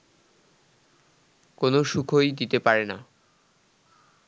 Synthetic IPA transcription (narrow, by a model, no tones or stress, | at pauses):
konoʃukʰojd̪it̪epaɾena